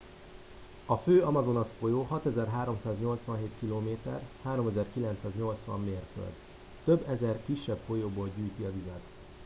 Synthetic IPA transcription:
ɒføːɒmɒzo̞nɒsfojoːɦɒt̪ɛzɛrɦaːɾo̞msaːzɲo̞lt̪sʋɒnɦeːt̪kiloːmeːt̪ɛ̰rhaːɾo̞mɛzɛrkilɛnt̪saːzɲo̞lt̪sʋɒ̰mːeːrfø̰ld̪ | t̪øbːɛzɛrkiʃːɛbfo̞joːboːlɟyːjt̪iɒvizɛt̪

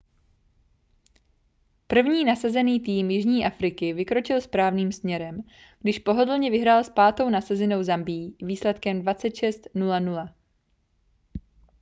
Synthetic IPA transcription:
pr̩vɲiːnasazɛniːt̪iːmjɪʒɲiːʔafɾɪkɪvɪkɾo̞t͡ʃɪlspɾaːvniːmsmɲɛɾɛm | ɡ̥dɪʃpo̞ɦo̞dl̩ɲɛvɪɦɾaːlspaːt̪o̞wnasazɪno̞wzambiːviːslɛt̪kɛmdvat͡sɛt̪ʃɛst̪nulanula

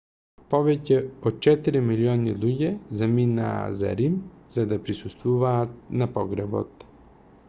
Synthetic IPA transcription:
pɔvɛcɛɔt̪̚t͡ʃɛt̪iɾimiliɔnilˠuɟɛzamina̰ːza̰ɾimzad̪apɾisust̪vuvaːt̪̚napɔɡɾɛbɔ̰t̪

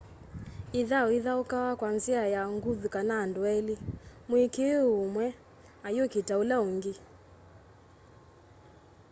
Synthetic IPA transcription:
iðaɔiðaukawakwanziajaŋɡuðukanaːnduɛlimwikeumwɛ | ajokitaulaoŋɡi

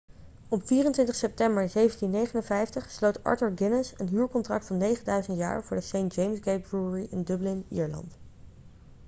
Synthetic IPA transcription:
ɔpfiːrəntʋɪntəχsɛp̚tɛmbəɹzejvəntinːejχənənvɛjftəχslowtɑ̰ɹtəɹɡɪnəsənɦyːɹkɔntrɑ̰k̚tfɑnːejχəndœɥzəntja̰ːɹvʊːɹdəsejntd͡ʒejmsɡejt̚bɹuɹiʔɪndəblɪnḭːɹlɑ̰nt

